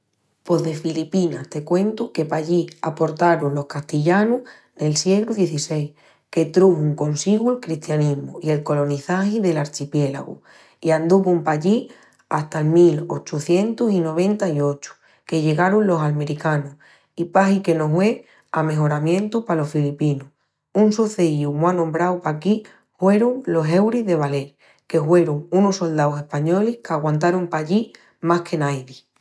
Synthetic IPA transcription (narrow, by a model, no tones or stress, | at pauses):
po̞ðe̞filipinaht̪e̞kwe̞nt̪uke̞paʎiapo̞ɾt̪aɾunlo̞hkast̪iʎanuh | ne̞lsje̞ɣɾuðje̞θise̞j | ke̞t̪ɾuhuŋko̞nsiɣwuelkɾiht̪janiɦmuie̞lko̞lo̞niθahiðe̞laɾt͡ʃipje̞la̰ɣṵ | iand̪uβuumpaʎi | ast̪aelmilo̞t͡ʃuθje̞nt̪usino̞β̞ẽ̞nt̪aio̞t͡ʃu̥ | ke̞ʎe̞ɣaɾunlo̞salmẽ̞ɾikanu | ipaɦike̞no̞ɦwe̞ | ame̞ɦo̞ɾamjẽ̞nt̪upalo̞ffilipinu | unsuθeiumwanõmbɾawpaki | hwe̞ɾuŋlo̞se̞wɾiɦðe̞β̞ale̞ɾ | ke̞ɦwe̞ɾuŋunosːo̞ld̪awse̞hpaɲo̞lihkaɣwant̪̬aɾumpaʎi | mahkʰe̞najði